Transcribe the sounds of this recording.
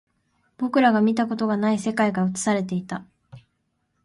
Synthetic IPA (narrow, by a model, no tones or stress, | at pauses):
b̥o̞kɯ̟ɾaɡamʲit̪ako̞t̪o̞ɡanaise̞kaiɡaɯ̟t͡sɨ̥saɾe̞t̪̬e̞it̪a